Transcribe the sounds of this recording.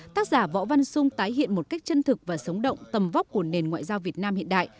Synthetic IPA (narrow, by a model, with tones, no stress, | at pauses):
t̪aː˦˥k̚zaː˧˩vɔ̰˧˥va˧nsʊ˧ŋ͡mt̪aː˨˦jɦḭ˧˨ənmo˨˩ka˦˥jk̟̚t͡ɕə˧nt̪ʰɨ˨˩k̚vaː˨˩sə˨˦wŋ͡mɗə̰˧˨wŋ͡mt̪ə˨˩mva˦˥k͡p̚ku˧˩əne˨˩nŋwa̰ː˧˨jzaː˧wvi˨˩ət̚naː˧mhḭ˧ənɗa̰ː˧˨j